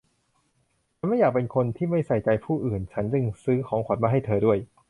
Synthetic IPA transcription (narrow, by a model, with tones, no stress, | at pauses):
a˧˥nma˥˩jːaː˨˩k̚pe˧nkʰo˧nt̪ʰiː˥˩ma˥˩jsa˨˩jt͡ɕa˧jpʰuː˥˩ʔɯː˨˩nt͡ɕʰa˦˥nt͡ɕɯ˧ŋsɯː˦˥kʰɔː˩˦ŋkʰa˨˩˦n̚maː˧ɦa˥˩jt̪ʰɤː˧du˥˩əj